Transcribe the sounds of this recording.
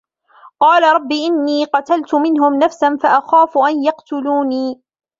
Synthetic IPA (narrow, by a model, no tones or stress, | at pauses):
qɑːlaɾˤɑbːiːʔɪnːiːqɑt̪alt̪ʊmɪnɦʊmnafsanfaʔaxaːfʊʔanjɑqt̪ʊluːniː